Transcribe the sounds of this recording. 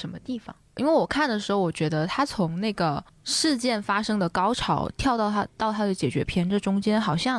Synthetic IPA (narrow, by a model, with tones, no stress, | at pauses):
ʂə˧˥nmə˧t̪i˥˩fɑ̰˨˩ŋʔḭ˥nwe˥˩ɪwɔ˨˩kʰa˥˩nd̪ə˩ʂɻ̩˧˥xo˥˩ʊwɔ˨˩t͡ɕɥɛ˧˥d̪ə˧t̪ʰa˥t͡sʰʊ˧˥ŋna˥˩ɪɡə˩ | ʂɻ̩˥˧t͡ɕjɛ˥˩nfa˥ʂɤ˥ŋd̪ə˨kɑ˥ʊʈ͡ʂʰɑ˧˥ʊt̪ʰjɑ˥˧ʊt̪ɑ˥˩ʊt̪ʰa̰˥t̪ɑ˥˩ʊt̪ʰa˥d̪ə˨˩t͡ɕjɛ˨˩t͡ɕɥɛ̰˧˥pʰjɛ˥nʈ͡ʂɤ˥˩ʈ͡ʂʊ˥ŋt͡ɕjɛ˥nxɑ˨˩ʊɕjɑ˥˩